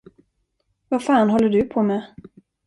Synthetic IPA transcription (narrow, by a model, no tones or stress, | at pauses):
vafɑːnɦɔlːəɖɵpʰɔmɛ